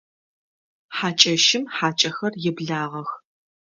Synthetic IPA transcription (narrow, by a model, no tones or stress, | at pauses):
ħaːt͡ʃʼɐʃɪmħaːt͡ʃʼɐxɐrjɪbɮaːʁɐx